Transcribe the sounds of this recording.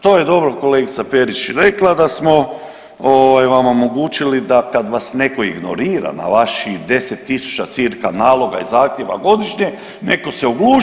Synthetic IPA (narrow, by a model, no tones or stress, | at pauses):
t̪o̞ːje̞d̪o̞bɾoko̞leɡit̪sape̞ɾit͡ʃɾe̞klˠad̪asmo̞ | oːʋajʋamo̞mo̞ɡuːt͡ʃilid̪akad̪ʋasne̞ko̞iɡno̞̰ɾiːɾa̰na̰ʋaʃid̪e̞set̪ːisu̥t͡ʃat̪siɾkanaːlˠo̞ɡa̰ḭzaːxt̪ʲjeʋa̰ɡo̞d̪iʃɲe̞ | ne̞ko̞seoɡluː